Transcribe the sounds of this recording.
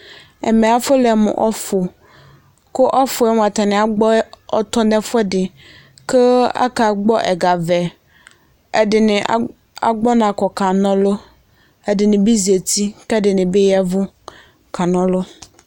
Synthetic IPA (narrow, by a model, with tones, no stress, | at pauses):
ɛ̰˨mɛ̃˨a˦fʊ˦lɛ˨mʊ̰̃˨ʔɔ˦fʊ˨ | kʊ˦ʔɔ˦fʊ˨ɛ˦m̃˨a˨t̪a˨nɪ̃˨a˨ɡ͡bɔ˦ɔ˦t̪ɔ˦nɛ̃˦fɛ˦dɪ˨ | ke˦a̰˦ka˨ɡ͡bɔ˦ʔɛ̰˨ɡa˨vɛ˨ | ɛ˨dɪ˨nɪ̃˨˦ | a̰˨ɡ͡bɔ˦nã˨kɔ˨ka˨nɔ̃˦lʊ˦ | ɛ˨dɪ˨nɪ̃˨bi˦zi˨e˨tʰi˦kɛ˦dɪ˨nɪ̃˨bɪ˦jɛ˦vʊ˦ | kʰa˨nɔ̃˦lʊ˦